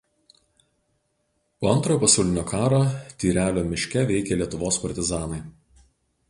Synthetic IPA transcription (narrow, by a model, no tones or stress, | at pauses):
poːɐnt̪ɾoːjoːpɐsɐʊlʲɪnʲoːkɑːɾoːt̪ʲiːɾʲæːlʲoːmʲɪʃʲkʲɛʋʲɛɪkʲelʲiɛt̪ʊʋoːspɐɾʲt̪ʲɪzɑːnɐɪ